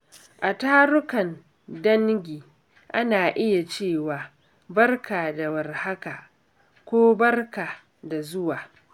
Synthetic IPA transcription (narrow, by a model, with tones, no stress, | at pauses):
ʔa˨taː˦ɾʊ˦kɐ˨n | dɐ˦ŋɡʲiː˨ | ʔa˦naː˨ʔɪ˦ja˨t͡ʃeː˦˨waː˨ | bɐ˦rkʰaː˨da˨wɐ˨rha˦ka˨ | kʷoː˦bɐ˦rka˨ | da˨zʊ˦waː˨